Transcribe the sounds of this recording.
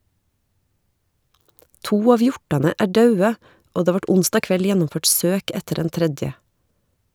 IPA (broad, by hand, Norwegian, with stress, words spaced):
ˈtuː ˈɑːʋ ˈjɔʈɑnə ˈæː ˈɖɑʉə ˈoː ˈdeː ˈʋɑʈ ˈʊnstɑː ˈkʋɛl ˈjænʊmˌføːʈ ˈsøːk ˈɛtəɾ ˈdɛn ˈtɾɛdjə